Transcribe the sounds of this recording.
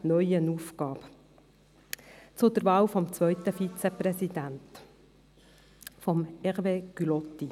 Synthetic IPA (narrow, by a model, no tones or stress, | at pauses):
nœʏənuːfɡɑːb̥ | t͡sʊd̪əɾvɑːwfɔmt͡svœʏt̪əfit͡sɛpʁɛsid̪ænt̪ | fɔmɛʁveːɡ̥ylɔt̪ːi